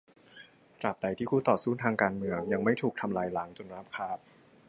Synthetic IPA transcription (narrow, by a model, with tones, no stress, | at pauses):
kla˨˩p̚da˧jt̪ʰiː˥˩kʰuː˧˩t̪ɔː˨˩suː˥˩t̪ʰaː˧ŋkaː˧nmɯ˧əŋja˧ŋma˥˩jt̪ʰuː˨˩k̚t̪ʰa˧mlaː˧jla˨˦˥ŋt͡ɕo˨˩nɾaː˦˥p̚kʰaː˥˩p̚